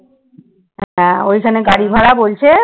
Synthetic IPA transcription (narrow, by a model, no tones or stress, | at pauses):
ɦojkʰaneɡaɽibʱaɽabolt͡ɕʰe